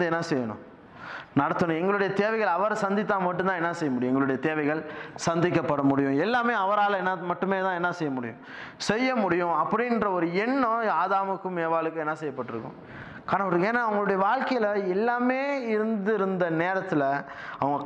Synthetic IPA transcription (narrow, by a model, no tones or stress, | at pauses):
d̪ɯɛnːɐsɛjːɐɳʊ̰̃ | nɐɽɐt̪ːɯɳʊ̃ɛŋɡɐɭɯɽɐjɐt̪eːʋɐɪɣɐɭɐʋɐɾsɐnd̪ɪt̪ːaːmɐʈ̬ːɯ̃nt̪ãːɛnːɐsɛjːɐmʊɽɪjʊ̃ɛŋɡɐɭɯɽɐjɐt̪eːʋɐɪɣɐɭsɐnd̪ɪkːɐpːɐɽɐmʊɽɪjʊ̃ɛlːaːmeːɐʋɐɾaːlɛnːɐmɐʈːɯmeːt̪ãːɛnːɐsɛjːɐmʊɽɪjʊ̰̃ | sɛjːɐmʊɽɪjʊ̃ɐpːɐɽɪnrɐɔɾɯɛɳːɔ̃aːðaːmɯkːɯmeːʋaːɭɯkːʊ̃ɛnːɐsɛjɐpːɐʈːɯɾɯkːʊ̰̃ | kaːnɐpɐɾɯkeːnːaɐʋɐŋɡɐɭɯɽɐjɐʋaːlkɐjɪlɐɛlːaːmeːɪɾɯnd̪ɪɾɯnd̪ɐneːɾɐt̪ːɪlɐ | ɐʋɐŋɡɐ